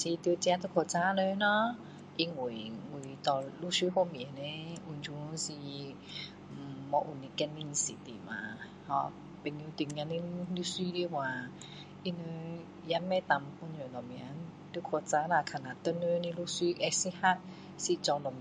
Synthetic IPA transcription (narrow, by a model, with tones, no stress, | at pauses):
si˧t̪i˧t͡ɕã˧˦t̪̬ə˧˦kʰo˧˨t͡sa˧˥˦nə˧˦nɔ˧˦ | ʔi˧ŋu˨ŋu˨t̪ɔ˨˧lu˧˨si˧˦ho˧mi˨ne˧˦ʔu˧˩nd͡ʒu˧˦˧si˧˨˩ | mɔ˧˦ʔu˨˩˨ni˧kɛ˧nmi˧ŋ˧si˨t̪ḭ˨mã̰˨˦ | hɔ˧ | pe˨ŋi˧t̪i˧˨ŋa˧˦ni˧˦lu˧˦swi˧˦li˧˨wa˧˨ | ʔi˧nə˧˦ | ja˧˦mːɛ̃˧˦t̪a˧˨mpo˧˦nɲo˨lɔ˨˩mĩ˧˨˧n | t̪i˧˦kʰo˧t͡sa˧˥na˧˨kʰa˨na˧˨t̪ə˧˦nə˧˦ni˧lu˧˦si˧˦ʔɛ˧si˧ha˧˨t̚ | si˧t͡sɔ˧ŋlɔ˨˩m